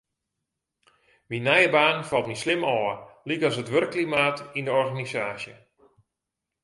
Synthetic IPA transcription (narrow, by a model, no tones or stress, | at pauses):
ʋinɛjəbaːnfɑlˠtmislɪmɔːlikɔsətʋørəkːlimaːtindəɔrɣanisaːsjə